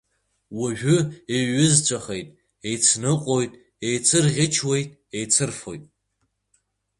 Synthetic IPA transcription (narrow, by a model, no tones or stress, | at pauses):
waʒᶣʊeɥɪzt͡ʃʷʰʼaχejtʼ | ejt͡sʰnɨqʷʼojtʼ | ejt͡sʰɨrʁʲɪt͡ʃʰwe̞jtʼ | ejt͡sʰɨrfo̞̰jtʼ